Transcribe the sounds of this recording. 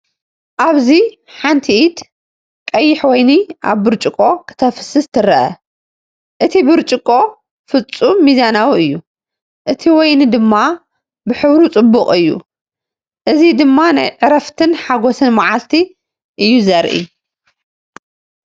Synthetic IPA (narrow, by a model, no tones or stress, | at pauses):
ʔaβzi | ħant̪ʰiʔid̪ | kʼɐjːɪħwɔjniʔa̰βːɨɾt͡ʃʼɪkʼo̞kʰɨ̥t̪ʰɐfɨ̥sɨst̪ʰɨɾɐʔɐ̰ | ʔɨt̪ʰibɨɾt͡ʃʼɨkʼo̞ | fɨt͡sʼumːizanawiɨjːu | ʔɨt̪ʰiwɔjnɨd̪ɨmːa | bɨħɨβɾut͡sʼɨbːʊqʼɨjːṵ | ʔɨzid̪ɨmːana̰jʕɨɾɐft̪ʰɨnħaɡosɨnmaʕalt̪ʰi | ʔɨjːuzɐɾʔḭ